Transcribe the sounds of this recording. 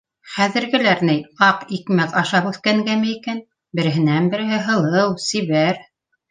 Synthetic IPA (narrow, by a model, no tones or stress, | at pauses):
χæðɘ̆ɾɡɘ̆læɾnɘjɑqikmækɑʃɑpʉθkæŋɡæmɘ̆ikæn | bɘ̆ɾɘ̆ɦɘ̆nænbɘ̆ɾɘ̆ɦɘɦɤ̆lˠɤwsɘ̆βæɾ